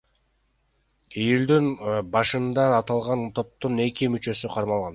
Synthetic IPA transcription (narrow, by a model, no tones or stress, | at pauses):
ijuld̪ynbɑʃɯnd̪ɑɑt̪ɑlˠʁɑnt̪ʰo̞p̚t̪une̞kimyt͡ʃø̞syqʰɑɾmɑlˠʁɑn